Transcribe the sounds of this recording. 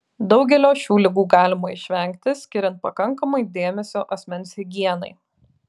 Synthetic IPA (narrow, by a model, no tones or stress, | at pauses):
d̪ɒʊɡʲɛlʲoːʃʲuːlʲɪɡuːɡɑːlʲɪmɐɪʃʲʋʲɛˑŋʲk̚t̪ʲɪsʲkʲɪɾʲɛnt̪̚pɐkɐŋkɐmɐɪd̪ʲeːmʲɛsʲoːʔɐsʲmʲɛnsʲɪɡʲiɛnɐ̰ɪ